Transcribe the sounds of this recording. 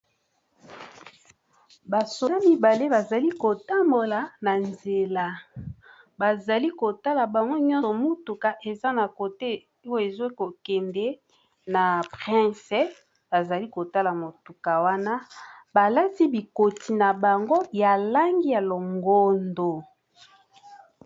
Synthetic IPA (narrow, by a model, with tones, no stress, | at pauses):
ba˨so˨la˦mi˨ba˨le˦ba˨za˨li˦ko˨ta˦mbo˨la˨na˨nze˨la˦ | ba˨za˨li˦ko˨ta˦la˨ba˨ŋɡo˦ɲɔ̃˦ɔ˨mo˦tu˨ka˨ʔe˨za˦na˨ko˨te˦ | o˦˨e˨zo˦ko˨kɛ˨mdɛ˦ | na˨pʁɛ̃˦sɛ˦ | ba˨za˨li˦ko˨ta˦la˨mo˨tu˨ka˨wa˦na˦ba˨la˦ti˦bi˨ko˨ti˨na˨ba˨ŋɡo˦ja˨la˦ŋɡi˦ja˨lo˨ŋɡo˦˨ndo˨